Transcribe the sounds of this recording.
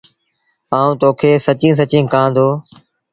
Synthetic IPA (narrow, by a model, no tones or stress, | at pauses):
aːũːt̪oːkʰeːsət͡ʃĩːs̬ət͡ʃĩːkãːnd̪oː